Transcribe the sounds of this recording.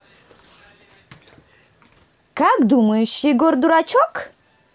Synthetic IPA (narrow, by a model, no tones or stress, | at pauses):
kakd̪uməjuʃiɡord̪uɾat͡ʃʰɔk